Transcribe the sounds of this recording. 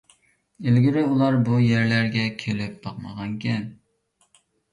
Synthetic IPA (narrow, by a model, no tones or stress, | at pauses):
elɡʲɪɾɪulˠɑɾbujæɾlæɾɡʲɛkʲʰelɪp̚b̪ɑqmɑʁɑŋkʲɛn